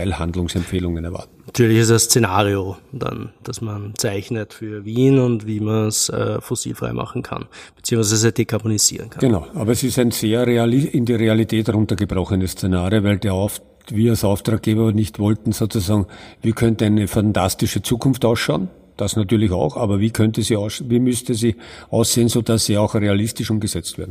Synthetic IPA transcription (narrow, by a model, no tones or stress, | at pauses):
ɪlhandlʊŋsɛmfeːlʊŋənɛɐva̰ɐtn̩natʰyːɐlɪçɪsd̥ɐsːt͡senaːʁiod̥a̰nd̥asmant͡sæɪçnətfyːɐviːnʊntviːmansɛ̰ːfosḭːlfʁa̰ɪmʔa̰χn̩kʰa̰nb̥ɪ̥t͡siːʊŋsvɛɛzsɪd̥ekʰabonisḭːʁə̰nkʰaɡ̥enɑʊaːbɐɛsɪstæɪnseːɐʁealɪɪndiʁealitʰɛːthʁʊ̃ntɐɡəbʁɔxənəst͡senaːʁijovæɪldeːɐɔf | viːɐalsaʊftʁaːk̚ɡ̥eːbɐnɪçtv̥ɔltn̩soːt͡suzaːɡŋviːkʰœntn̩æɪnəfantʰastɪʃət͡suːkʰʊnftɑʊsʃɑʊn | d̥asnatyːɐlɪçɑ̰ʊxʔaːbɐviːkʰœntəsiːʊsviːmʏstəziː | ʔaʊsz̥eːənsoːdasːiːɑʊxʁealɪstɪʃʊmɡəzɛt͡stv̥eːɐn̩